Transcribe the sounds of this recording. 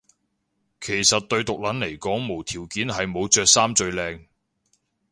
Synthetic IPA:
kʰe˨˩jsɐ˨t̚t̪ɵ˧ɥt̪ʊ˨k̚lɐ˨˥nle˨˩jkɔː˨˥ŋmo˨˩wt̪ʰiː˨˩wkiː˨˥nɦɐ˨jmo˨˧wt͡ʃœː˨˧k̚saː˥mt͡ʃɵ˧ɥlɛː˧ŋ

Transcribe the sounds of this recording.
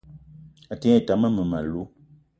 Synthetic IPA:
a˨te˦˨ta˨˦mə˦mə˨ma˨lu˨˦

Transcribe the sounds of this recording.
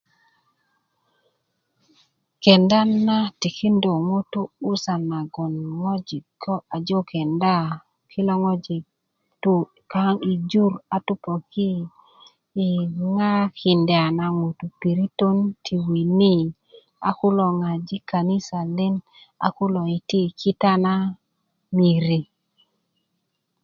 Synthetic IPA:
kɛ˨nda˦na˦ti˨kʰi˦ndo˨ŋo˦tuː˦sa˨na˨ɡɔ˨nŋɔ˦d͡ʒi˨kʰɔ˦a˨d͡ʒo˦kʰɛ˨nda˦ | kʰɪ˦lɔ˦ŋɔ˦d͡ʒi˨ | tu˦ | ka˦ŋi˨d͡ʒu˦ɾa˨tu˦pɔ˨ki˦˨ | ŋa˦ki˨ndɛ˨a˨na˨ŋo˨tu˨pi˨ɾi˦to˦ntʰi˨wi˨ni˦ | a̰˨kʊ˦lɔ˨ŋa˨d͡ʒi˦ka˨ni˦sa˨le˦n | a̰˨kʊ˦lɔ˨i˨ti˦˨kʰi˦ta˦na˦ | mi˨ɾi˨

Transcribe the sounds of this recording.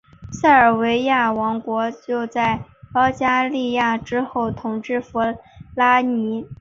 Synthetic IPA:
sa˥˩ə˞˨˩we˧˥ɪja˥˩wɑ˧˥ŋkwɔ˧˥t͡ɕjo˥˧ʊt͡sa˥˩ɪɑ˥ʊt͡ɕja˥li˥˧ja˥˩ʈ͡ʂɻ̩˥xo˥˩ʊt̪ʰʊ˨˩ŋʈ͡ʂɻ̩˥˩fu˧˥la˥ni˧˥

